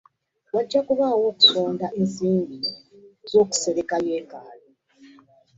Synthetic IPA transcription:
waɟːakuβaːwo̞ːku̥so̞ːndaʔensiːmbizo̞ːku̥se̞ɾe̞kajeːkaːlo

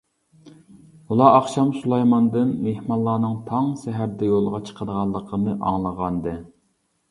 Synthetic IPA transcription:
ulˠɑʔɑχʃɑmsulˠɑjmɑnd̪ɨnmehmɑnlˠːɑːnɨŋt̪ʰɑŋsɛɦæɾd̪ɛjolˠʁɑt͡ʃʰə̥qʰəd̪əʁɑlˠːəqʰənɨʔɑ̰ŋlˠəʁɑnd̪ɨ

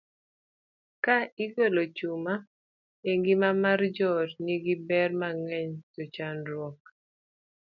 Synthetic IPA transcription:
kaiɡolot͡ʃuma | eŋɡimamard͡ʒɔtniɡibɛrmaŋɛɲtot͡ʃanɾwɔk̚

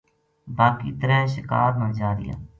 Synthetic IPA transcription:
baːkiːt̪əɾə̃ːʃɪkaːɾmə̃nd͡ʒaːɾɪ̰ja̰ː

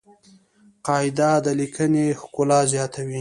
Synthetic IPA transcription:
qɑɪd̪ad̪əlikʰənexkʊlɑzjɑt̪ʰawi

